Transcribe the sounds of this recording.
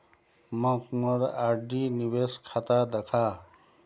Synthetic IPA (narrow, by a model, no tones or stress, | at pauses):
mãkuməɾaɖiniweːskʰat̪aːd̪ɐkʰaː